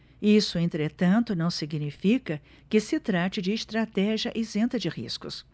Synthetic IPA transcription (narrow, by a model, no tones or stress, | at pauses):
isʊẽnt̪ɾet̪ɐ̃nt̪ʊnɐ̃w̃siɡnifikɐ | kɪsɪt̪ɾat͡ʃɪd͡ʒɪːst̪ɾat̪ɛʒiɐʔɪzẽnt̪ɐd͡ʒɪhḭskʊ̰s